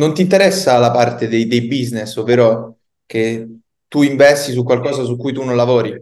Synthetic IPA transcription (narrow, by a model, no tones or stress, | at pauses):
nont̪int̪eɾɛsːalapart̪ed̪ejd̪ejbiznesovːeːɾo | ke | t̪ːuiɱvɛst̪is̬ukwalkɔːzas̬ukːujt̪unonlavɔːɾi